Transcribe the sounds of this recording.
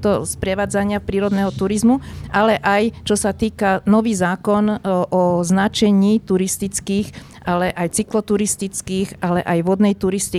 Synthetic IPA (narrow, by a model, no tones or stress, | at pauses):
t̪ɔspɾɛʋaːd͡zaɲɪafpɾiːɾɔd̪nɛɦɔt̪uɾizmuʔalɛʔajt͡ʃɔsat̪iːkanɔʋiːzaːkɔnʔɔznat͡ʃɛɲiːt̪uɾist̪it͡skiːx | alɛʔajt͡siklɔt̪uɾist̪it͡skiːɣʔalɛʔajʋɔd̪nɛjt̪uɾist̪i